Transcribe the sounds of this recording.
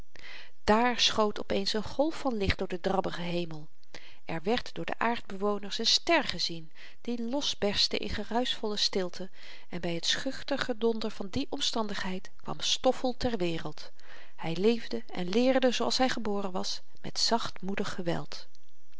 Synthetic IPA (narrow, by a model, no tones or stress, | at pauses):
d̥aːɹsχowtɔpejnsənχɔlˠfɑnlɪχd̚d̥ʊːɹdədrɑbəχəɦejməlˠ | ʔɛɹʋɛɹtdʊːɹdə̰ʔaːɹd̚bəʋownəɹsənstɛɹχəzin | d̥ilɔsbɛɹstə̰ʔɪ̰nχərœɥsfɔlˠəstɪlˠtʰə | ɛnbɛjɦətsχʏχtəχədɔndəɹv̥ɑndiʔɔmstɑndəχɦɛjtkʋɑ̰mstɔfəlˠtɛɹʋɪːrəlˠt | hɛjlejvdə | ɛ̰nlɪːɹdəzowɑlˠsɦɛjχəbʊːrənʋɑs | mɛ̰tsɑχtmudəχːəʋɛ̰lˠt